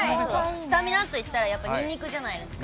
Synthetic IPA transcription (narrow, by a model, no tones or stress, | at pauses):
ooɕi̥t̪amʲinat̪ːo̞it̪ːaɾajapːaɲʲĩnːʲikɯ̟ʑanaid̪e̞sɨ̥k